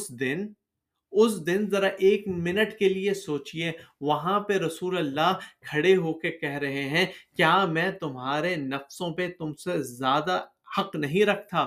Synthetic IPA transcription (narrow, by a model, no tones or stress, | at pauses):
ʊsd̪ɪn | ʊsd̪ɪnzɐɾaʔeːkmɪnəʈkeliesoːt͡ʃieʋɐɦãpeɾɐsuːlɐlːaːɦkʰɐɽeɦoːkekɛɦɾɐɦeɦɛ̃ːkjaːmɛ̃ːt̪ʊmɦaːɾenɐfsõpet̪ʊmsezjaːd̪a | hɐqnɐɦĩɾɐkʰt̪aː